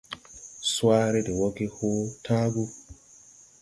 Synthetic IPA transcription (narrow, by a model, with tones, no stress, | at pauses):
swaː˦ɾɛ˦dɛ˨wɔ˦ɡi˦hoː˦tʰaː˦ɡu˦